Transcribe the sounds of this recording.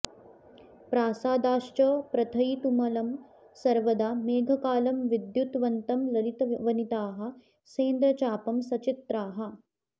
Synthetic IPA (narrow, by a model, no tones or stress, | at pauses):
pɾaːsaːd̪aːʃt͡ʃɐːpɾɐt̪ʰɐjt̪umɐlɐm | sɐɾʋɐd̪aːmeːɡʱɐkaːlɐmʋid̪jut̪ʋɐnt̪ɐmlɐɾit̪ɐʋɐnit̪aːɦɐ̆ | seːnd̪ɾɐt͡ʃaːpɐmsɐt͡ʃit̪ɾaːɦɐ̆